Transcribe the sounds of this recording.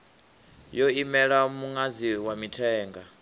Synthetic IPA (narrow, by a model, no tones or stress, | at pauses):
jɔimɛɺamuŋaziwamitʰɛːŋɡa